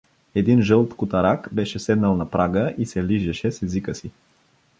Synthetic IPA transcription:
ɛd̪inʒɤlˠt̪kʊt̪ɐɾakbɛʃɛsɛd̪nəlˠnɐpɾʔaɡəʔisɛliʒɛʃɛsɛzikəsi

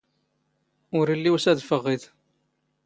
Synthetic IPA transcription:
ʊɾilːiwsæðfəʁːiθ

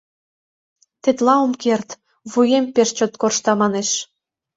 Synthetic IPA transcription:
t̪et̪lɑomkert̪ | βujempeʃt͡ɕot̪korʃt̪ɑmɑneʃ

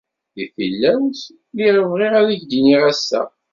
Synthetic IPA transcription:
iθilːæwθ | liʁəvʁiʁæðiʝd̪iniʁæsːæ̰

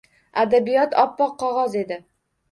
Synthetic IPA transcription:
ad̪abijɒt̪ʰɒpːɒqʰːɒʁɑze̞d̪ɪ

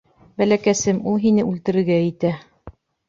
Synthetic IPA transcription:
bælækæsɘmulˠɦinɘʉlt̪ɘ̆ɾɘ̆ɾɡæit̪æ

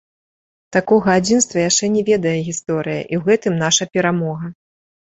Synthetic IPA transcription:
t̪akɔɣɐad͡zʲinst̪vɐjaʂt͡ʂɛnʲɛvʲɛd̪ɐjɛɣʲist̪ɔɾɨjɐ̰ʔiwɣɛt̪ɨmnaʂɐpʲɛɾamɔɣɐ

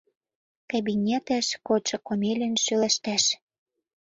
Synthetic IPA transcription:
kaɑbinʲet̪æ̆ʃkot͡ɕɤ̆komelʲɘ̆nʃølæʃt̪æʃ

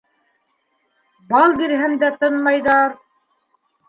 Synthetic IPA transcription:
bɑlˠbiɾɦɘmd̪æt̪ɤnmɑjðɑɾ

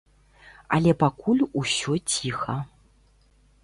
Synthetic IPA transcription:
ɐ̰lʲɛpakulʲusʲɔt͡sʲixɐ

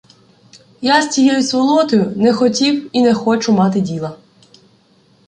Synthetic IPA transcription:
jasʲt͡sʲijɛjʊsʋɔlˠɔt̪ɔjʊnɛxɔtʲiwinɛxɔt͡ʃʊmɑt̪ɪdʲilˠɐ

